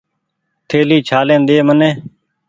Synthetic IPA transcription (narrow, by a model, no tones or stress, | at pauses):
t̪ʰeːliːt͡ʃʰaːlẽːnd̪eːmənẽː